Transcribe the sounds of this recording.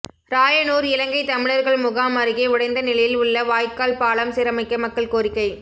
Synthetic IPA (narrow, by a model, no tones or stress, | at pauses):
ɾaːjɐnuːɾɪlɐŋɡɐɪt̪ɐmɪɭɐɾɣɐɭmʊɣaːmɐɾɯɣeːʊɽɐɪnd̪ɐnɪlɐjɪlʊɭːɐʋaːjkaːlpaːɭɐmsɪɾɐmɐɪkːɐmɐkːɐɭkoːɾɪkːɐɪ